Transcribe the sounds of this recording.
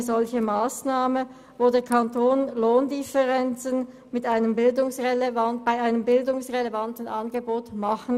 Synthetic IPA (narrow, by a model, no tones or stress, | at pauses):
əzɔlçəmaːsnaːmə | voːdeːɐkʰantʰoːnloːndɪfəʁɛnt͡sən | mɪtaɪnəmbɪldʊŋsʁelevanb̥aɪaɪnəmbɪldʊŋsʁelevantn̩ʔanɡəboːtmaχn̩